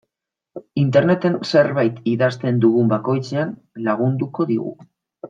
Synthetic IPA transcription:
int̪e̞ɾne̞t̪e̞nse̞ɾβajt̪iðast̪e̞nd̪uɣumbako̞jt͡sean | laɣ̞und̪uko̞ðiɣṵ

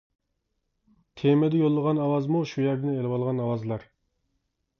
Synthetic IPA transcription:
t̪ʰemɛd̪ɛjolˠːəʁɑnɑwɑzmuʃujæɾd̪ɪnelɪwɑlˠʁɑnɑwɑzlˠɑɾ

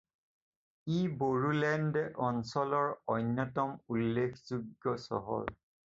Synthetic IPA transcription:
iboɹulɛndɛʔɔnsɔlɔɹɔjnːɔtɔmulːekʰzuɡːɔsɔ̰ɦɔ̰l

